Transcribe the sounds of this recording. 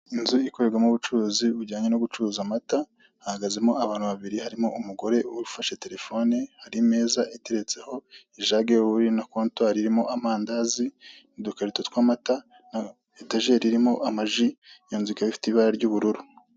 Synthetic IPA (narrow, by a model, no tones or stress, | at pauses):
inzuikoɾeɾɡwamuβut͡ʃuuziuɾɟaːɲenoɡut͡ʃuzamata | hahaɡazemo̞aβaːn̥huβaβiɾihaɾimo̞̰umuɡo̞ɾe̞uɾufaʃe̞te̞ɾe̞fo̞nehaɾime̞ːzaʔeteɾe̞t͡se̞ho̞iʒaɡeβuɾinakoːntwaɾiɾimo̞ʔamaːndazinidukaɾitotkwaːmata | na | etaʒe̞ɾiɾimo̞ʔamaʒijoːnzikaβifi̥teβaɾaɾɟuːβuɾuɾu